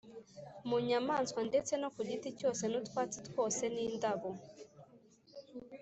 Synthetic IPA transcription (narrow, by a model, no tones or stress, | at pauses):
muɲamanzwandet͡senokuɟiticosenotwaːt͡sitwoseniːndaβo